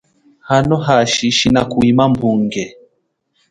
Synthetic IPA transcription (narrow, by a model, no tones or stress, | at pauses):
hanɔɦaʃiʃinakuimambuŋɡɛ